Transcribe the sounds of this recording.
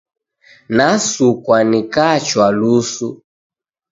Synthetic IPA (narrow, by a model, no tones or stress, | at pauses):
nasukwanikat͡ʃwalusu